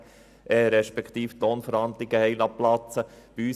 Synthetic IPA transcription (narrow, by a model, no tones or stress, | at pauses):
ʔɛɾɛʃpɛkʰt̪iːft̪oːnfəɾhɑnd̪lɪɡ̥əhɛɪlɑplɑt͡səb̥iyː